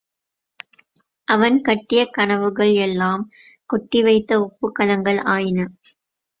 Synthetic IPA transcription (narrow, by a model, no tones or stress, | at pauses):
ʔɐʋɐnkɐʈːɪjɐkɐnɐʋɯɣɐɭɛlːaːm | kɔʈːɪʋɐɪt̪ːɐʊpːɯkːɐlɐŋɡɐɭaːjɪnɐ